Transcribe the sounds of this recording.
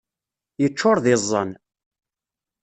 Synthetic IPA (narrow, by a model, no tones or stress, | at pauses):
jət͡ʃːʊɾˤðɪzˤːə̰n